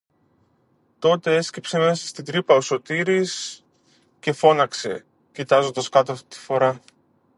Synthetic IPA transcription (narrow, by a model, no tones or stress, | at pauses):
t̪o̞t̪e̞e̞scepse̞me̞sɐ̥st̪id̪ɾipɐoso̞t̪iɾis | ce̞fo̞nɐkse̞̰ | cit̪ɐzo̞nd̪ɐskɐt̪oɐft̪i̥t̪i̥fo̞ɾɐ